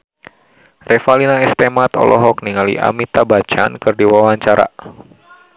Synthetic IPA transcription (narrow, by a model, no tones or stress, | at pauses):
rɛfalinaɛst̪emat̪ɔ̰lɔ̰ɦɔk̚niŋalḭʔa̰mit̪abat͡ʃa̰nkɨrdiwawaɲt͡ʃaɾa̰